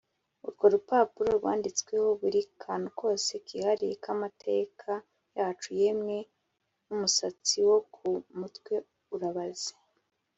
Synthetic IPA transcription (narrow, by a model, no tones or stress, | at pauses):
ṵɾɡo̞ɾupaːpuɾo̞ɾɡwa̰ːndit͡swe̞ho̞βuɾikʰaːnuko̞ːse̞kihaɾijḛkʰamatʰe̞kʰa | jaːt͡ʃuje̞mŋe̞ | numusat͡siwo̞kʰumutwe̞ | uɾaβaze̥